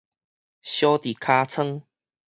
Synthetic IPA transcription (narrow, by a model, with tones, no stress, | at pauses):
ɕjo˦t̪i˨˩kʰa˧t͡sʰə˦ŋ